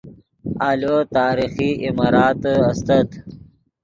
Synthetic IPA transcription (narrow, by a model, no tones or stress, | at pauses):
aːlot̪aːɾixiimaːɾaːt̪ɐst̪ɐt̪